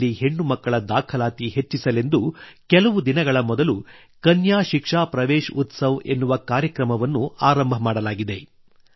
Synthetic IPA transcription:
iɦe̞ɳːumɐkːɐɭɐd̪aːkʰɐlaːt̪ihe̞t͡ʃːisɐle̞nd̪ukɛlɐʋud̪inɐɡɐɭɐmɔd̪ɐlu | kɐnjaːʃikʂaːpɾɐʋeːʃut̪sɐʋe̞̰nːuʋɐkaːɾjɐkɾɐmɐʋɐnːuaːɾɐmbʱɐmaːɽɐlaːɡid̪e̞

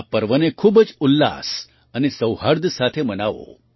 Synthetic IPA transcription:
apəɾʋənekʰuːbəd͡ʒulːa̰s | ənesəwhaɾd̪ʱəsat̪ʰemənaʋo̰

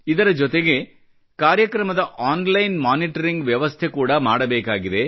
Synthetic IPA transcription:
id̪ɐɾɐd͡ʒɔt̪eɡe̞ | kaːɾjɐkɾɐmɐd̪ɐʔaːnlɐjnmaːniʈɐɾiŋɡʋjɐʋɐst̪ʰe̞kuːɽɐmaːɽɐbeːkaːɡid̪e̞

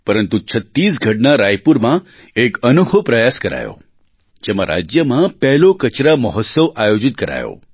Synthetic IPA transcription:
pəɾənt̪ut͡ʃʰət̪ːis̬ɡʱəʈnaɾajpuɾmã | ekənukʰopɾəjaskəɾa̰jo̰ | d͡ʒemã̰ɾa̰d͡ʒjəmãpɛɦlokət͡ʃɾaməɦɔt̪səʋajod͡ʒɪt̪̚kəɾa̰jo̰

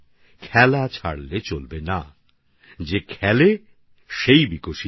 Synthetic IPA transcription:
kʰɛlat͡ɕʰaɽlet͡ɕolbena | d͡ʑekʰɛle | ʃejbikoʃi

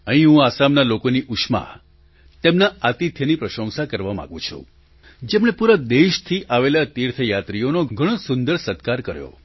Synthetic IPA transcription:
əɦĩɦũasamnalokoniʔuʃma̰ | t̪emnaat̪it̪ʰjənipɾəʃə̃w̃sakəɾʋamã̰ɡṵ̃t͡ʃʰṵ̃ | d͡ʒemɽ̃epuɾəd̪eʃt̪ʰiʔaʋelat̪iɾt̪ʰəjat̪ɾijonoɡʱəɽ̃osʊnd̪əɾsət̪kaɾkəɾjo̰

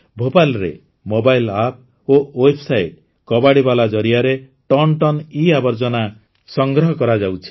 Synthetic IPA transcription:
bʱobajlɾḛ | mobajlap̚ | owebsajʈ | kɔbaɽibalad͡ʒɔɾiaɾe | ʈɔnʈɔniabɔɾd͡ʒɔna | sɔŋɡɾɔɦɔkɔɾad͡ʒawt͡ʃʰi̥

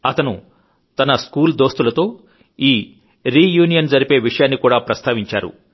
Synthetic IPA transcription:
ɐt̪ɐnu | t̪ɐnɐskuːld̪o̞ːst̪ulɐt̪o̞ː | iː | ɾiːjuːnijɐnd͡ʒɐɾipe̞ːʋiʂɐjaːnːikuːɽaːpɾɐst̪aːʋiɲt͡ʃa̰ːɾṵ

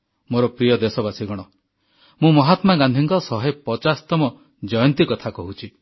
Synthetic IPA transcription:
moɾɔpɾijɔd̪esɔbasiɡɔɽ̃ɔ | mũmɔɦat̪maɡãnd̪ʱiŋkɔsɔɦepɔt͡ʃast̪ɔmɔ | d͡ʒɔjɔnt̪ikɔt̪ʰakɔɦut͡ʃʰi

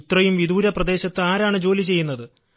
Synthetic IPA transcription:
t̪rɐjumʋid̪uːɾɐprɐd̪e̞ːɕɐt̪ːɨaːɾaːɳɨd͡ʑo̞ːlit͡ɕe̞jːunːɐðɨ

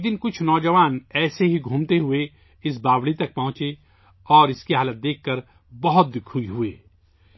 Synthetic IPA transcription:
d̪ɪnkʊt͡ʃʰnɔːd͡ʒəʋaːnɛːseɦiɡʱuːmt̪eɦʊe | ɪs̬baːʋɽit̪ɐk̚pɐɦʊ̃t͡ʃe | ɔːɾɪskiɦaːlət̪̚d̪eːkʰːəɾ | bɐɦʊt̪̚d̪ɪkʰuiɦʊḛː

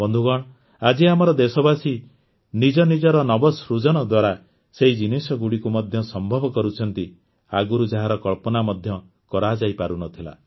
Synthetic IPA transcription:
bɔnd̪ʱuɡɔɽ̃ | ad͡ʒiamɔɾɔd̪esɔbasi | nid͡ʒɔnid͡ʒɔɾɔnɔbɔsɾud͡ʒɔɽ̃ɔd̪waɾa | seɦid͡ʒinisɔɡuɽikumɔd̪ʱjɔsɔmbʱɔbɔkɔɾut͡ʃʰɔnt̪i | aɡuɾud͡ʒaɦaɾɔkɔɭpɔnamɔd̪ʱjɔ | kɔɾad͡ʒajpaɾunɔt̪ʰila̰

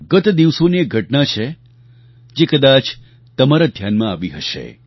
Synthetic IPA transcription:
ɡət̪d̪iʋsoniek̚ɡʱəʈnat͡ʃʰe | d͡ʒekəd̪at͡ʃ | t̪əmaɾad̪ʱjanmãaʋiɦəʃḛ

